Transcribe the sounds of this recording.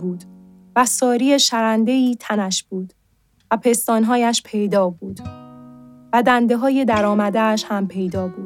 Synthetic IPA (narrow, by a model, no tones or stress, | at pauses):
buːd̪̥ | væsɒːɾie̞ʃæɾænd̪e̞iːt̪ʰænæʃb̥uːd̪̥ | væpʰe̞st̪ɒːnɦɒːjæʃpʰe̞jd̪ɒːbuːd̪̥ | væd̪ænd̪e̞ɦɒːje̞d̪æɾɒːmæd̪eæʃhæmpʰe̞jd̪ɒːbuːd̪̥